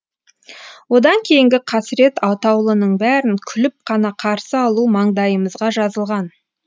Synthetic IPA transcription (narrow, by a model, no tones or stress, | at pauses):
wo̞d̪ɑŋkʲʰe̞jɪŋɡʲɪqʰɑsɾe̞t̪ɑwt̪ɑwlˠənəɴbæɾɪŋkʲʰʏlɪp̚qʰɑnɑqʰɑɾsəɑlˠumɑɴd̪ɑjəməzʁɑʒɑzəlˠʁɑn